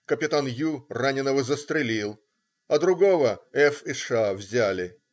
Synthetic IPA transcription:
kəpʲɪt̪anjuranʲɪnːəvəzəst̪ɾʲɪlʲilˠ | ɐd̪ɾʊɡo̞vəɛfɪʂavzʲælʲɪ

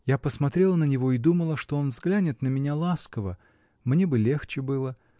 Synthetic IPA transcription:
japəsmɐt̪ɾʲelˠənənʲɪvo̞ɪd̪uməlˠəʂt̪o̞onvzɡlʲænʲɪt̪nəmʲɪnʲalˠaskəvə | mnʲe̞bɨlʲe̞xt͡ɕɪbɨlˠə

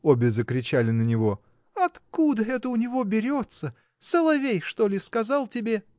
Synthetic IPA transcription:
obʲɪzəkɾʲɪt͡ɕælʲɪnənʲɪvo̞ | ɐt̪kud̪əɛt̪əʊnʲɪvo̞bʲɪɾʲo̞t̪sə | səlˠɐvʲejʂt̪o̞lʲɪskɐzɑlˠtʲɪbʲe

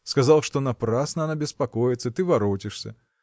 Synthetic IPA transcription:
skazalˠʂt̪ɔnapɾasnɐɐnabʲɪspakɔjɪt̪sːət̪ɨvaɾɔtʲɪʂsʲɐ̰

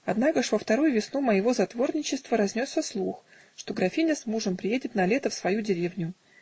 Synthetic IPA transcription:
ɐd̪nakəʂvəft̪ɐɾujʊvʲɪsnuməjɪvo̞zɐt̪vo̞rnʲɪt͡ɕɪst̪vəɾɐzʲnʲosːəslˠux | ʂt̪o̞ɡɾɐfʲinʲəsmuʐəmpɾʲɪjedʲɪt̪nɐlʲe̞t̪əfsvɐjudʲɪɾʲevnʲʊ

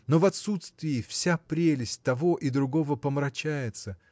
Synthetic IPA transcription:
no̞vɐt̪sut̪st̪vʲɪɪfsʲapɾʲelʲɪsʲt̚ʲt̪ɐvo̞ʔid̪ɾʊɡo̞vəpəmɾɐt͡ɕæjɪt̪sə

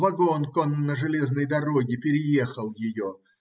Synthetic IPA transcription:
vɐɡonkonːəʐɨlʲe̞znəjd̪ɐɾo̞ɡʲɪpʲɪɾʲɪje̞xəlˠjɪjo

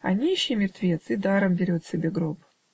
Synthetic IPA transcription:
ɐ̰nʲiɕːijmʲɪrt̪vʲet̪sɨd̪aɾəmbʲɪɾʲot̪sʲɪbʲeɡɾop

